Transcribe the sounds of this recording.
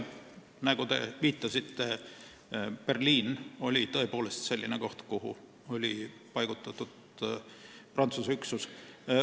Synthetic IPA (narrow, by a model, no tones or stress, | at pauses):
næɡut̪e̞̰viːt̪ˑːɑsit̪ːe | pe̞rliːno̞lʲit̪ɤ̞epo̞ːle̞st̪se̞lʲːineko̞ht̪kuɦṵ | o̞lʲi | pɑjɡ̥ut̪ːˑɑt̪ːˑud̪̥ | prɑnt̪suseyksus